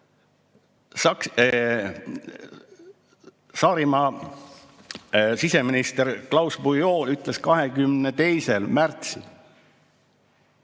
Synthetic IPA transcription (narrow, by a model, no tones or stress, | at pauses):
sɑk | sɑːɾimɑ | sise̞minist̪eɾklɑwsbujo̞ːyt̪ˑleskɑɦekymnet̪e̞jse̞lmært̪sil